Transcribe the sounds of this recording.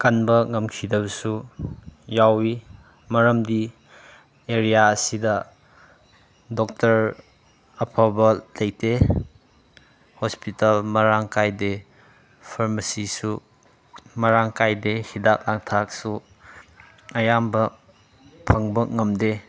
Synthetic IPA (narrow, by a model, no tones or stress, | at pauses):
kɐnbɐŋɐmkʰidɐbɐsu | jawi | mɐɾɐmdi | eɾijaɐsidɐ | dɔk̚tɐɾ | ɐpʰabɐlɐjte | hɔspitalmɐɾaŋkajde | pʰɐɾmɐsisu | mɐɾaŋkajdehidak̚laŋtʰak̚su | ɐjambɐ | pʰɐŋbɐŋɐmde